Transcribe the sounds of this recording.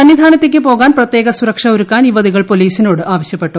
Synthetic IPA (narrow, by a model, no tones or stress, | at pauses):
sɐnjid̪ʱaːnɐt̪ːek̬ʲːɨpo̞ːɣaːnprɐt̪je̞ːɡɐsuɾɐkʂɐoɾukːaːnjiʋɐðiɣɐɭpo̞liːsino̞ːɽɨaːʋɐɕjɐpːe̞ʈːu